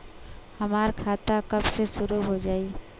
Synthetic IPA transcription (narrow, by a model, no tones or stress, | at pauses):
həmaːɾkʰat̪akəbsesʊɾuɦod͡ʒaːi